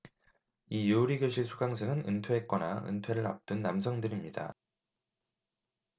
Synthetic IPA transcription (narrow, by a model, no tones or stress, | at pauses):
ijouɾiɡjoɕʰiɭsʰuɡaŋsʰeŋɯnɯ̰ntʰwe̞ɦet̚k͈ʌna̰ɯ̰ntʰwe̞ɾɯɾa̰p̚t͈ɯnːamsʰʌŋdɯɾimɲida̰